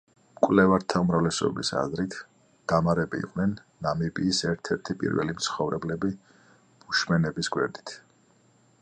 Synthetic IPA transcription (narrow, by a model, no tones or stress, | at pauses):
kʼwlɛvaɾt̪ʰaumɾavlɛsɔ̰bisa̰zɾit̪ʰ | d̪̥amaɾɛbiḭqʼnɛnːamibiːsɛɾt̪ʰɛɾt̪ʰipʼḭɾvɛ̰limt̪sʰχɔvɾɛblɛbi | b̥uʃmɛnɛbisɡwɛ̰ɾd̪i̥t̪ʰ